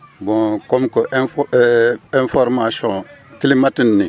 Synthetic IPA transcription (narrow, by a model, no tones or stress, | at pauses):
bɔ̃komikoʔɛ̃f | ɛ̃fɔɾmasɔ̃kilimatinːi